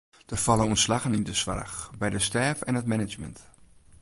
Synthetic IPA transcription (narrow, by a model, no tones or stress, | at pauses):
d̥əfalˠənuntslaɣənindəsʋa̰rxbɛjdəstɛfɛnɦətmɛnɪd͡ʒmə̰nt